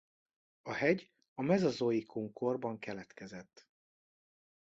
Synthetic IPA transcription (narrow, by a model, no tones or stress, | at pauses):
ɒhɛɟ | ɒmɛzɒzoːjikʰuŋko̞rbɒŋkɛlɛt̪kɛzɛt̪ː